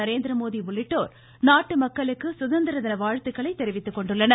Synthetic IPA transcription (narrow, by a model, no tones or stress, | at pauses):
ɐɾeːnd̪ɪɾɐmoːðiʊɭːɪʈːoːɾ | naːʈːɯmɐkːɐɭɯkːɯsʊðɐnd̪ɪɾɐðɪnɐʋaːɻt̪ɯkːɐɭɐɪt̪ːɛɾɪʋɪt̪ːɯkːɔɳɖɯɭːɐnɐ